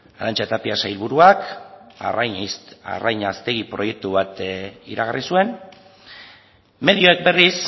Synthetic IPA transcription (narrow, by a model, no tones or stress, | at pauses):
aɾant͡ʃat̪apiasajlβuɾuak | a̰rajɲast̪e̞ɣipɾo̞je̞k̚t̪uβat̪ḭɾaɣarisue̞n | me̞ðio̞ek̚be̞ris